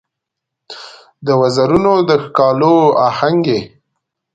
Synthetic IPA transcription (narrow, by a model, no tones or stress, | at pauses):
d̪əwazaɾunod̪əxkɑloahaŋɡe